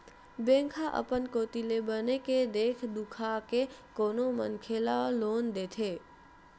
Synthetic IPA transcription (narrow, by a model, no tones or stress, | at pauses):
bẽŋkʰaʔə̰pənkot̪ilebəneked̪ekʰd̪ukʰakekonomə̰nkʰelalond̪et̪ʰe